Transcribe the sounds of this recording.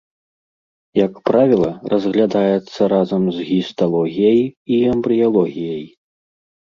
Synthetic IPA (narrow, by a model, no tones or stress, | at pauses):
jɐkpɾavʲilˠɐrɐzɣlʲad̪ajɛt̪sːɐɾazɐmzɣʲist̪alˠɔɣʲijɐjiɐmbɾɨjalˠɔɣʲijɐj